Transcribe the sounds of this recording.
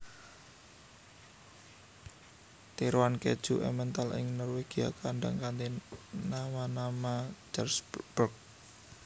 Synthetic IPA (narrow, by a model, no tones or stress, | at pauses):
t̪iɾwankɛ̰d̥ʒ̥uʔɛ̰mɛnt̪alɪ̰ŋnɔrweɡ̥ia̰kaɳɖa̰ŋkant̪inamanamad͡ʒarsb̥ərk̚